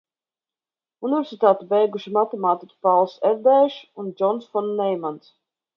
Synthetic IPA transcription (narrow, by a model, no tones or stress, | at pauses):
univʲɛɾsʲit̪aːt̪ibɛjɡuʃimat̪ɛmaːt̪ikʲi̥palˠsɛɾd̪ɛʃund͡ʒɔnsfɔnːɛjmant̪s